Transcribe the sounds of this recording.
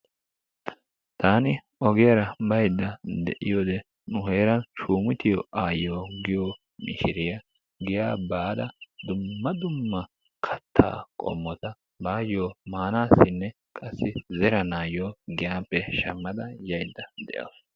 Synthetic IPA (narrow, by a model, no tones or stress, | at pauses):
t̪aːnɪ | ɔɡɪjɐɾɐbɐjd̪ːɐd̪ɛʔɪ̰joːd̪ɛ | nʊhe̞ːɾɐnʃuːmɪt̪ɪjɔaːjoːɡɪjoː | mɪ̰ʃɪɾɪjɐ | ɡɪjaːbaːd̪ɐd̪ʊmːɐd̪ʊmːɐ | kʰɐt̪ʰːa̰ːkʼɔ̰mːɔt̪ɐ | baːjoːmaːnaːsːɪnːɛ | kʼɐsːɪzɛɾɐnaːjoːɡɪjaːpːɛʃɐmːɐd̪ɐjɐjd̪ːɐd̪ɛ̰ʔɐ̰w